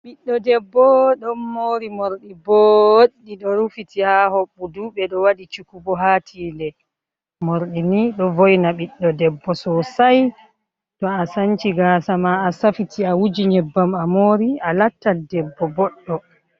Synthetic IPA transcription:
ɓiɗːɔdɛbːɔɗɔnːoɾimoɾɗibɔoɗːiɗɔɾufitihahoɓːuduɓɛɗɔwaɗit͡ʃukubɔɦatʰiːlɛ | moɾɗiniɗɔvojnaɓiɗːɔdɛbːɔsɔsaj | tɔasant͡ʃiɡasamaːsafitʰiawud͡ʒiɲɛbːamamoːɾialatːadɛbːɔbɔɗːɔ

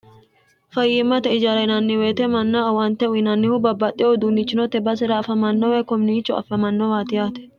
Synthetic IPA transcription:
fɐjːɪmːɐt̪ɛɪd͡ʒaːɾɐnɐnːɪweːt̪ɛmɐnːawɐnt̪ɛʊɪnɐnːɪhʊbɐbːɐt̪ʼːɪjɔd̪unːɪt͡ʃːɪnɔt̪ɛbɐs̬ɛɾɐfɐmɐnːɔwɛkɔmɪnit͡ʃːʊɐ̰fɐmɐnːɔwaːt̪ɪjaːt̪ɛ̥

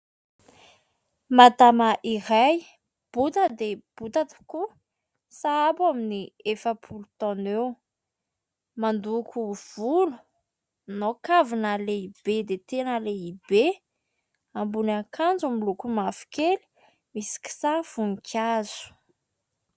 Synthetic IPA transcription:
mad̪amaʔiɾaj | b̥ut̪əd̪eb̥ut̪at̪u̥ku | saapaminiefəpʰulut̪ɔnew | mand̪ukuv̥ulu̥ | nokavinəleib̥ed̪et̪enəleibe | ambunakʰand͡zumilukumafi̥keli̥ | misi̥ki̥sav̥uŋikʰaz̥u̥

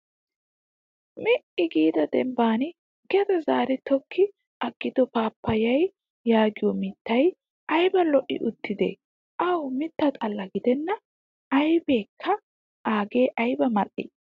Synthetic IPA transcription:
mɪʔɪɡiːd̪ɐd̪ɛmbaːnɪ | ɡ̥ɛd̪ɐzaːɾɪt̪ɔkʰːɪ | ʔɐɡːɪd̪ɔpaːpːɐjɐj | jaːɡɪjɔmɪt̪ːɐj | ʔɐjbɐlɔʔɪ̰ʔʊt̪ʰːɪd̪ḛ | ʔɐwmɪt̪ːɐt̪ʼɐlːɐɡɪd̪ɛnːɐ | ʔɐjbeːkʰːɐ | ʔaːɡe̞ːʔɐjbɐmɐʔːɪ̰

